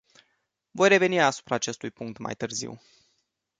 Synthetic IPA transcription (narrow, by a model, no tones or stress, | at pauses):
vo̞jre̞ve̞niasu̥pɾaːt͡ʃe̞st̪ujpuŋk̚t̪ma̰jt̪ɨrzḭw